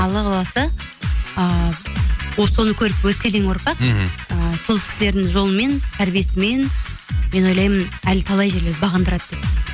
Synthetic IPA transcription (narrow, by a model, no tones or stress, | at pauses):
ɑlˠəʁɑlˠɑsə | ə | woso̞nəkʲʰɵɾɪp̚wɵzkʲʰe̞leŋwo̞ɾpɑqəso̞lˠkʰʲɪsɪle̞ɾd̪ɪŋʒo̞lˠnme̞nt̪ʰæɾbije̞sɪme̞nme̞nwo̞jlˠɑjmənælt̪ʰɑlˠɑjʒe̞led̪ɪbɑʁɑnd̪əɾɑd̪əd̪ep